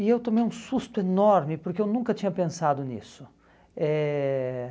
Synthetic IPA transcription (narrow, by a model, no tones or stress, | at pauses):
ɪewt̪õmejũsust̪ʊenɔɾmɪpoɾkeewnũkɐt͡ʃĩɲɐpẽsad̪ʊnḭsʊ | ɛ